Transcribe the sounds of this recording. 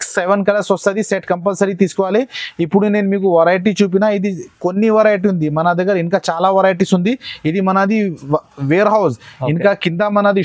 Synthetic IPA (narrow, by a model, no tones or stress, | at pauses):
ksːeʋɐnk̬ɐlɐsost̪ɐd̪iseʈkɐmpɐlsɐɾit̪iːsu̥kɔʋaːliipːuɽune̞ːnumiːk̬uʋɐɾaːjʈ̬iːt͡ʃuːp̬inaːid̪ikonːiʋɐɾaːjʈ̬iund̪imɐnɐd̪ɐɡːɐɾiŋkaːt͡ʃaːlaːʋɐɾaːjʈ̬iːsund̪iid̪imɐnɐd̪iʋeːɾɦɐwsiŋkaːkind̪amɐnɐd̪i